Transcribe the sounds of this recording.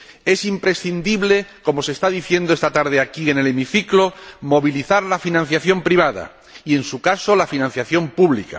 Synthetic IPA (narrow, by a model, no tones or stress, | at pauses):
e̞simpɾe̞sθind̪iβle̞ko̞mo̞se̞st̪aðiθje̞nd̪oest̪at̪aɾð̞eakienelemiθiklomo̞βiliθaɾlafinãn̟θjaθjo̞mpɾiβ̞að̞a̰ | ie̞nsukaso̞lafinãnθjaθjo̞mpuβlika̰